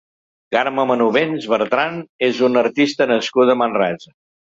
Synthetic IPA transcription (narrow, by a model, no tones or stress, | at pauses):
kaɾməmənuβenzβəɾt̪ɾanezunəɾt̪ist̪ənəskuðəmənrɛzə